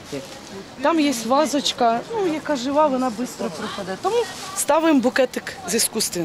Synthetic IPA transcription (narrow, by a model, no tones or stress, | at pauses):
t̪ɑmjɛsʲtʲʋɑzɔt͡ʃkɐnujɐkɑʒɪʋɑʋɔnɑbɪst̪ɾɔpɾɔpɐd̪ɛt̪ɔmust̪ɑʋʊjɪmbʊkɛt̪ɪkziskust̪ʲʋʲi